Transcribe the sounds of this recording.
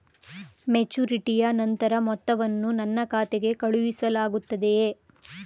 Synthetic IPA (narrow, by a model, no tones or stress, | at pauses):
met͡ʃuɾiʈijɐnɐnt̪ɐɾɐmɔt̪ːɐʋɐnːunɐnːɐkaːt̪eɡe̞kɐɭuʋisɐlaːɡut̪ːɐd̪e̞